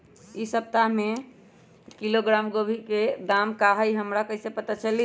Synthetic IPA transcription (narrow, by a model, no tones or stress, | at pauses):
isəp̚t̪aɦme | kiloɡɾamɡobʱiked̪amkaɦəjɦəmɾakəɦisepət̪at͡ʃəli